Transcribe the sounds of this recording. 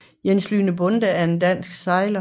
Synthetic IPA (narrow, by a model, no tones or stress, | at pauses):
jensly̰ːnəb̥ɔ̽nd̥əæɐe̝ndæn̰sɡ̥sɑ̈ɪlɐ